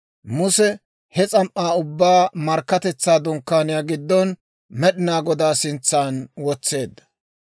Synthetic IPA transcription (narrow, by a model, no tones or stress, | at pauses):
mʊsɛ | hɛt͡sʼɐmʔːaːʊbːaːmɐɾkːɐt̪ɛt͡sːaːd̪ɔŋkːaːnɪjaːɡɪd̪ːɔn | mɛɗɪnaːɡɔd̪aːsɪnt͡sːaːnwɔt͡sːe̞ːd̪ːɐ̥